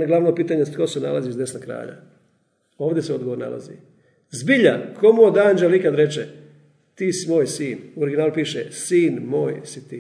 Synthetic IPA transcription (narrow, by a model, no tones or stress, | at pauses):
aɡlˠaʋnopiːt̪aːɲest̪kosena̰lazizesnakɾa̰ːʎa̰ | o̞ːʋd̪eseo̞d̪ɡoʋoɾna̰la̰zḭ | zbiʎa̰nkʰo̞muod̪and͡ʒalikad̪ɾet͡ʃe | t̪iːsimoːjsiːnuoɾiɡʲinaːlupiːʃesiːnmoːjsit̪i